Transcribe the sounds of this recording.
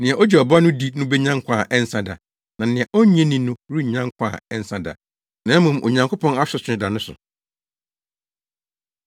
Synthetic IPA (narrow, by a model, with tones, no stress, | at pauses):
nɪ̃˨ɛ˨ʔɔ˦d͡ʑɛ˨ɔ˨ba˦nʊ̃˦di˦nʊ̃˦bɛ˦ɲã˦ŋ˦kʷʰa˨ʔɛ˦n˦sã˦da̰˨ | nã˨nɪ̃˨ɛ˨ʔɔ˦ɲɛ̃˦nĩ˨nʊ̃˦ɾi˦˨ɲã˦ŋkʷʰa̰ː˦˨ɛ˦n˦sã˦da̰˨ | nã˨˦mũ˨m˨ʔo̰˨ɲã˨ŋkʰo˦pʰɔ̃˦na˦ɕᶣɛ˨sʰᶣɪ˨ɪ̃˦da˨nʊ̃˦sʊ̰˨